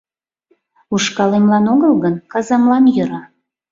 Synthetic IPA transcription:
uʃkɑlemlɑnoɣəlɣənkɑzɑmlɑnjə̆ɾɑ

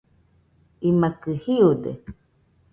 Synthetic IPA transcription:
imakɨhiud̪ḛ

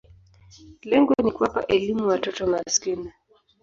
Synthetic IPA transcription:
lɛŋɡɔnikuwapa̰ʔɛlimuwatɔtɔŋɡaskina

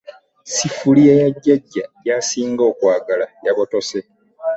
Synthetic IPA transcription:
sifuliejaɟːaɟːajaːsiːŋɡo̞ːkwaːɡalajaβo̞to̞se

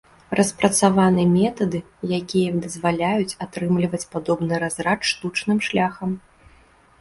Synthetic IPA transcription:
rʔɐspɾɐt̪savanɨɛmʲɛt̪ɐd̪ɨ | jakʲijɐd̪ɐzvalʲajut͡sʲat̪ɾɨmlʲivɐt͡sʲpad̪ɔbnɨɾazɾat͡ʂʂt̪ut͡ʂnɨmʂlʲaxɐm

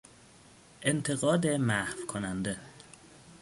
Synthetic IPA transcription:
ʔent̪ʰeɣɒːd̪emæhvkʰonænd̪e

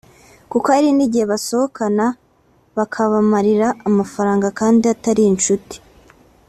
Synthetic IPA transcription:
kukaɾiniɟihe̞βaso̞hokana | βakʰaβamaɾiɾaːmafaɾaːŋɡakaːndiataɾiːnʃuti̥

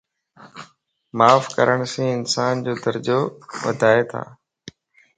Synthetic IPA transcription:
maːfkəɾəɽ̃sẽːɪnsaːnd͡ʑoːd̪əɾd͡ʑoʋə̰d̪ʱaːet̪ʰa̰ː

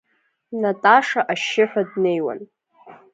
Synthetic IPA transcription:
natʼaʂaʔaʃːɪħʷᶣadne̞jwa̰n

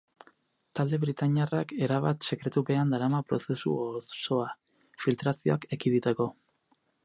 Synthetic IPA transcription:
t̪ald̪e̞βɾit̪aɲarake̞ɾaβat̪se̞kɾe̞t̪uβe̞and̪aɾamapɾo̞se̞sṵosso̞a | filt̪ɾasio̞ake̞kiðit̪eko̞

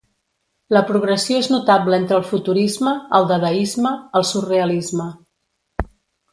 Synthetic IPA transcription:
ləpɾuɣɾəsioeznut̪abləent̪ɾəlˠfut̪uɾizməːlˠd̪əðəizməːlˠsureəlizmə

